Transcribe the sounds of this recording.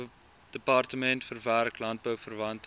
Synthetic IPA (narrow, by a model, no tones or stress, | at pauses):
d̥əpɑrtəmɛntfərværklɐnt̚bəwfərvɐnt